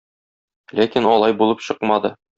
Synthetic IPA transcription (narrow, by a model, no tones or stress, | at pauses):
lækinɒlˠɑjbulˠɤpɕɤqmɑd̪ɤ̰